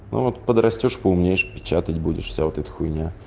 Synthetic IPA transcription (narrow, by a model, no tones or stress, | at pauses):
nʔo̰vot̪pəd̪ɾɐsʲtʲoʂpəʊmnʲejɪʂpʲɪ̥t͡ɕat̪ətʲbudʲɪ̰ʂfsʲavot̪ɛt̪ə̥xʊjnʲa